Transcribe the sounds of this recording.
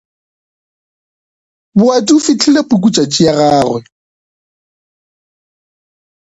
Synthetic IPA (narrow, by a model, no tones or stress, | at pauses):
bʊatʼufɪt͡ɬʰɪlepʼuk̬ut͡ʃʼat͡ʃʼiaraːrwɛ